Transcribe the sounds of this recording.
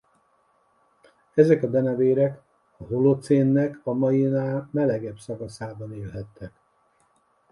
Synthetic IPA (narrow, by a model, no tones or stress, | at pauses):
ɛzɛkɒb̪ɛnɛveːɾɛk | ɒɦolot̪seːnːɛkɒmɒjinaːmɛlɛɡɛbsɒkɒsaːbɒneːlɦɛt̪ːɛk